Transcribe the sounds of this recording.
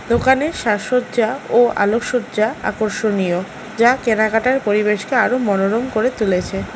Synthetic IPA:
d̪okaneʃaʃot̪d͡ʑaoa̰lokʃodd͡ʑaa̰koɾʃonio | d͡ʑakenakaʈaɾpoɾibeʃkeaɾomɔnoɾomkoɾet̪ulet͡ɕʰe

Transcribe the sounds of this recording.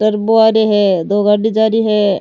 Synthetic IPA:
ʈəɾboaːɾeɦɛd̪oːɡɐɾɖid͡ʒaːɾiɦɛ

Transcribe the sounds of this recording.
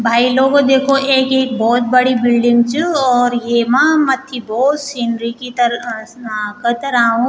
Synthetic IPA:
bʱaːiloːɡod̪eːkʰoʔeːkeːk̚bɔːt̪̚bɐɽibɪlɖɪ̃ŋɡt͡ʃuɔːɾjemãmɐt̪ʰːibɔːt̪siːnɾikit̪ɐɾ | kɐt̪ɐɾaɦũ

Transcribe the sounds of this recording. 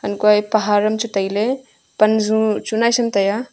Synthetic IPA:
ɐnkuajpɐɦaːɾɐmt͡ʃut̪ɐjle | pɐnzũt͡ʃunaːjsɐmt̪ɐja

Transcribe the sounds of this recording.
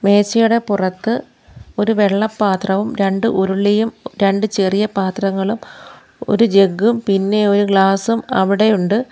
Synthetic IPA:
me̞ːt͡ɕːɐjuɽe̞purɐt̪ːɨ | o̞ɾuʋe̞ɭːɐpːaːt̪rɐʋumɾe̞ɳɖɨʔuɾuɭːijumɾe̞ɳɖɨt͡ɕerijɐpaːt̪rɐŋːɐɭum | o̞̰ɾud͡ʑe̞ɡːumpinːe̞o̞ɾuɡɭaːsumɐ̰ʋiɽe̞juɳɖɨ

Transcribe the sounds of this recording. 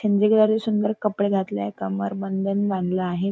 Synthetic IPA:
eɲd͡ʑeɡlaɾisund̪əɾkəpɽeɡʱat̪ljakəmə̰ɾbənd̪ʱənʋaɳlaːɦe

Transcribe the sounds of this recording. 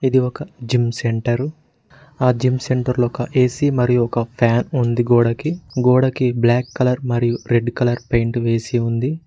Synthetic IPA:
id̪iɔkɐd͡ʒimse̞ɳʈɐɾ | aːd͡ʒimse̞ɳʈɐɾloɔkɐʔeːsimɐɾijuɔkɐpʰaːnund̪iɡoːɽɐkiɡoːɽɐkiblaːkːɐlɐɾmɐɾijuɾe̞ɖkɐlɐɾpejɳʈʋe̞ːsiund̪i

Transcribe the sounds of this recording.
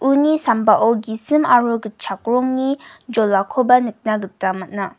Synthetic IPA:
unisambaʔɔɡisɯmaɾuɡɯt͡ʃʰak̚ɾɔŋnid͡ʒɔlːakʰɔbanɯk̚naɡɯtamat̚na

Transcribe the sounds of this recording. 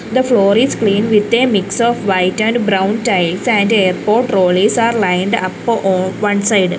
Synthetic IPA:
d̪əfloːɾisklĩːnʋɪd̪eːmiksɔːfʋaɪʈæ̃ɳɖbɾãw̃nʈaɪlsæ̃ɳɖeːɾpoːʈɾoːlisaːɾlaɪ̃ɳɖɐpːɔ̃ːnʋɐ̃nsaɪɖ

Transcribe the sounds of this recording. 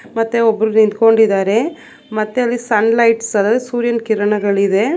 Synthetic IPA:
mɐt̪ːeobːɐɾunint̪ko̞ɳɖid̪aːɾe̞ | mɐt̪ːeɐlːisɐnlɐjʈsɐlːaːd̪suːɾjɐnkiɾɐɳɐɡɐɭid̪e̞

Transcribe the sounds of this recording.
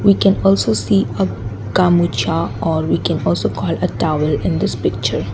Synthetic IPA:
ʋiːkɛ̃nɔːlsoːsiːə | kamut͡ʃaɔːɾʋiːkɛ̃nɔːlsoːkʰɔːləʈaʋəlɪ̃nd̪ɪspɪk̚t͡ʃəɾ

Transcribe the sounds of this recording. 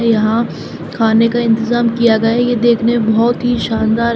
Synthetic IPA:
jɐɦã | kʰaːnekaɪ̃nt̪ɪzaːmkijaɡɐjajed̪eːkʰneẽbɔɦɔt̪ɦiʃaːnd̪aːɾ

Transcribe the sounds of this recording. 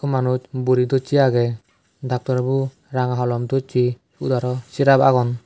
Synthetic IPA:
kɔmanut͡ʃbuɾid̪ɔt͡ʃiaɡɛ | d̪ak̚t̪ɔɾbu | ɾaŋaɦɔlɔmd̪ɔt͡ʃi | ud̪aɾɔsiɾabaɡɔn

